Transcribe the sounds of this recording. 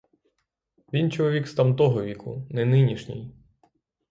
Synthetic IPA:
ʋʲint͡ʃɔlˠɔʋʲikst̪ɐmt̪ɔɦɔʋʲikʊ̰nɛnɪnʲiʃnʲɪ̰j

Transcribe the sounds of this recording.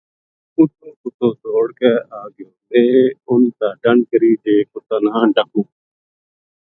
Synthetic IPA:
ʊt̪õːkʊt̪õːsoːɽkɛːaːɡõːnd̪eːʊnːt̪aːɖəɳkəɾiːd͡ʒeːkʊt̪ãːnãːɖəkũː

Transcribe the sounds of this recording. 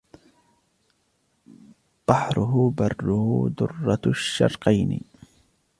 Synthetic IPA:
b̥ɑħɾʊɦʊbɑrˤːʊhʊd̪ʊ̰rˤːɑʃːɑ̰ɾˤqɑjnɪ̰

